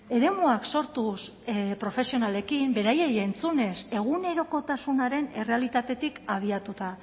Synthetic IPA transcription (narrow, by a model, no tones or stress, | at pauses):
e̞ɾe̞muakso̞ɾt̪us | pɾo̞fe̞sio̞nale̞kimbe̞ɾajejent͡sune̞se̞ɣune̞ɾo̞ko̞t̪asunaɾe̞ne̞re̞alit̪at̪e̞t̪ikaβ̞iat̪ut̪a